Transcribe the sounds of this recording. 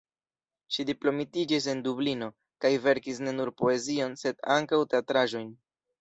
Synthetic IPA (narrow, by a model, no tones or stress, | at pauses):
ʃidiplo̞mitid͡ʒis̬e̞ndublino̞ | kajve̞ɾkisne̞nuɾpo̞e̞zio̞nse̞daŋkawte̞atɾaʒo̞jn